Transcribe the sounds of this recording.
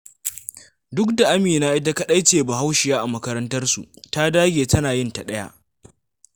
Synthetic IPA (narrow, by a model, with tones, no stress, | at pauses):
dʊ˦k̚da˨ʔa˦miː˨naː˦ʔɪ˦da˦ka˦ɗa˦jt͡ʃeː˨ba˨ɦa˦wʃɪ˨jaː˦ʔa˨mɐ˦kɐ˦ɾɐ˦ntɐ˦rsṵ˨ʔta˦daː˦ɡʲeː˨tɐ˦naː˨jɪ˦nta˨ɗɐ˦ja̰˦ʔ